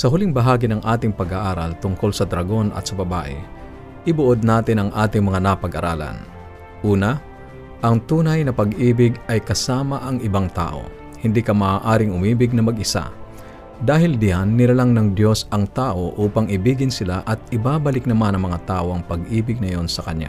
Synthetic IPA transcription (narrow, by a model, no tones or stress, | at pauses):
sɐɦʊlɪŋbɐɦaːɡɪnɐŋʔaːt̪ɪŋpɐɡaʔaːɾɐlt̪ʊŋko̞lsɐd̪ɾɐɡo̞nʔɐ̰t̪̚sɐbɐba̰ːʔɪ̰ | ʔɪbʊʔod̪̚naːt̪ɪnɐŋʔaːt̪ɪŋmɐŋanɐpɐɡʔɐɾa̰ːlɐ̰n | ʔuːnɐ | ʔɐŋt̪uːnɐjnɐpɐɡʔiːbɪɡɐjkɐsaːmɐʔɐŋɪbaŋt̪a̰ːʔo̞̰ | hɪnd̪ikɐmaːʔaːɾɪŋʊmiːbɪɡ̚nɐmɐɡʔɪsa̰ | d̪aːɦɪld̪ɪjanːɪlalaŋnɐŋd̪jo̞sɐŋt̪aːʔo̞ʔuːpɐŋɪbiːɡɪnsɪlaʔɐt̪̚ɪbaːbɐlɪknɐmanɐŋmɐŋat̪aːʔoʔɐŋpɐɡ̚ʔiːbɪɡ̚nɐjo̞nsɐkɐɲja̰